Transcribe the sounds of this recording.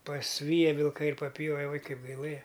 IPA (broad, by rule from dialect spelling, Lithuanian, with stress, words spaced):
pɐsʲˈʋʲiːjɛ ʋʲɪlˠˈkɐɪ ɪr pɐˈpʲjoːʋʲɛ ˈuɔj ˈkɐɪp ɡɐɪˈlˠɘjɛ